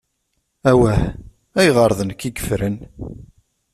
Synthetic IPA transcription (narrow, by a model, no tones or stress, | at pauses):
æwæh | æjʁəɾˤðˤənkːiɡə̥fɾən